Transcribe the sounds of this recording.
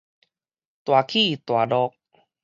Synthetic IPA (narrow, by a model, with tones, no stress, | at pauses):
t̪wa˨˩kʰi˥˨t̪wa˨˩ɖɔ˧k̚